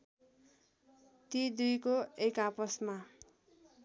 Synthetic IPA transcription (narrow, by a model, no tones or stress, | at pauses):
t̪id̪ujkoekapʌsma